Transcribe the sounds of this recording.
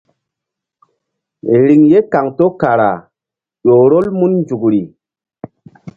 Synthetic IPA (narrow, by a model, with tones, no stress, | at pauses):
ɾi˨ŋje˦ka˨ŋto˦ka˨ɾa̰˨ | ɗo˨ɾo˦lmu˦nnd͡ʒu˨kɾi˨